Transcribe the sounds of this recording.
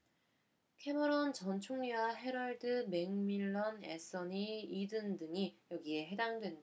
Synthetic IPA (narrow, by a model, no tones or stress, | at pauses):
kʰe̞mɯɾont͡ɕʌnt͡ɕʰoŋɲiwaɦe̞ɾʌɭdɯme̞ŋmiɭːʌnḛs͈ʌniidɯndɯŋijʌɡie̞ɦe̞daŋdwe̞nda